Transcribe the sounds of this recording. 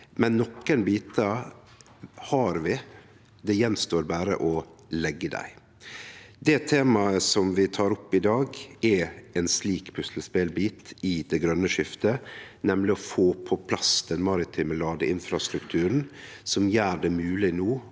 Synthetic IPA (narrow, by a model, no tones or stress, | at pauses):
mɛnːɔkːənbiːt̪ɑ | hɑɾʋɪ | d̪ɛjɛnːst̪oːɾbæːɾə̰ʔɔlɛɡːəd̪æ̰ɪ | d̪ɛt̪ʰeːmɑəsɔmʋɪt̪ʰɑːɾɔpːɪd̪ɑːɡɛɛnsliːkpʰʉslspeːlbiːt̪ɪd̪̥ɛɡɾœnːəʃɪft̪ənɛmlɪɔfoːpʰɔpʰlɑsd̪̥ɛnmɑːɾɪt̪ʰɪmɛlɑːd̪əʔɪnfɾɑst̪ɾʉkt̪ʰʉːɾn̩ | sɔmjæːɖɛmʉːlɪnoː